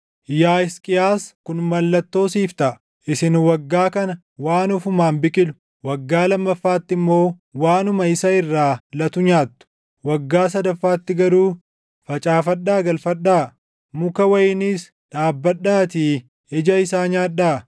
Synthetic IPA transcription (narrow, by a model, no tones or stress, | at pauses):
jaːɪskʼɪaːskʊnmɐlːɐt̪ːo̞ːsiːft̪ɐʔ | ʔɪsɪnwɐɡːaːkɐnɐ | waːnʊfʊmaːnbɪkʼɪlʊ̥ | wɐɡːaːlɐmːɐfːaːt̪ːɪmːo̞ːwaːnʊmɐɪsɐɪrːaːlɐt̪ʊɲaːt̪ːʊ̥ | wɐɡːaːs̬ɐd̪ɐfːaːt̪ːɪɡɐɾuː | fɐt͡ʃʼaːfɐɗːaːɡɐlfɐɗːaː | mʊkɐwɐjɪnis | ᶑaːbːɐɗːaːt̪iː | ɛd͡ʒɐɪsaːɲaːᶑaː